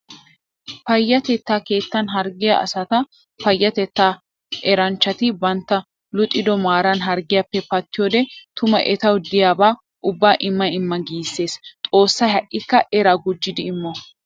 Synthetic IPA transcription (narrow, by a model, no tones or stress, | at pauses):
pɐjːɐt̪ɛt̪ːaːke̞ːt̪ːɐnɦɐɾɡɪjɐ̰ːsɐt̪ɐ | pɐjːɐt̪ɛt̪ːaː | ʔɛɾɐnt͡ʃːɐt̪ɪbɐnt̪ːɐ | lʊt̪ʼːɪd̪ɔmaːɾɐnɦɐɾɡɪjɐpːɛpɐt̪ːɪjoːd̪ɛt̪ʊmɐ̰ʔɛt̪ɐwd̪ɪjaːbaː | ʔʊbːaːʔɪmːɐɪmːɐɡiːsːe̞ːst̪ʼo̞ːsːɐjhɐʔːɪkːɐʔɛɾaɡʊd͡ʒːɪd̪ɪːmːɔ